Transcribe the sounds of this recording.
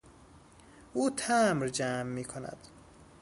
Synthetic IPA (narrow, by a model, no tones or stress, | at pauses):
ʔuːt̪ʰæmɾd͡ʒæːmːiːkʰonæ̰d̪̥